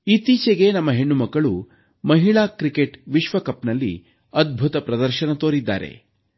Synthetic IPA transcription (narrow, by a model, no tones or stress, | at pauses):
it̪iːt͡ʃeɡe̞nɐmːɐɦeɳːumɐkːɐɭu | mɐɦiɭaːkɾikeʈʋiʃʋɐkɐpnɐlːḭ | ɐd̪̚bʱut̪ɐpɾɐd̪ɐɾʃɐnɐt̪oːɾid̪ːa̰ːɾe̞̰